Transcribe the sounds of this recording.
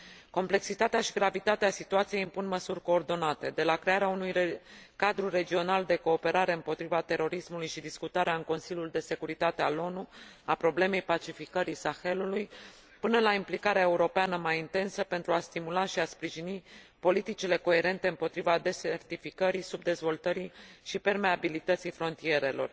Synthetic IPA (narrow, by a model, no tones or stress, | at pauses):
ko̞mple̞ksit̪at̪eaʃiɡɾavit̪at̪easit̪uat̪sije̞impunməsurʲko̞ːrd̪o̞nat̪e̞d̪e̞lakɾe̞aɾeaunujkad̪ɾure̞d͡ʒio̞nald̪e̞ko̞ːpe̞ɾaɾe̞ɨmpo̞t̪ɾivat̪e̞ɾo̞ɾismulujʃid̪iskut̪aɾeaɨŋko̞nsilʲjuld̪e̞se̞kuɾit̪at̪e̞alo̞nuapɾo̞ble̞me̞jpat͡ʃifikəɾisaxe̞luluj | pɨnəlaimplikaɾeae̞uɾo̞peanəmajint̪e̞nsəpe̞nt̪ɾuast̪imulaʃiaspɾiʒini | po̞lit̪it͡ʃile̞ko̞e̞ɾe̞nt̪e̞ɨmpo̞t̪ɾivad̪e̞sert̪ifikəɾisub̚d̪e̞zvo̞lt̪əɾiʃipe̞rme̞abilit̪ət̪sijfɾo̞nt̪ije̞ɾe̞lo̞̰r